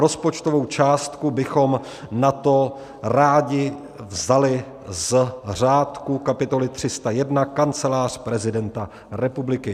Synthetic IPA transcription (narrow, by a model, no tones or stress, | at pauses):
ɾo̞spo̞t͡ʃt̪ovo̞wt͡ʃaːst̪kubɪxo̞m | nat̪o̞ | ɾaːɟɪ | vzalɪ | zr̝aːt̪kukapɪt̪o̞lɪt̪r̝̥ɪst̪ajɛdnakant͡sɛlaːr̝̥pɾɛzɪdɛnt̪a | ɾɛpublɪkɪ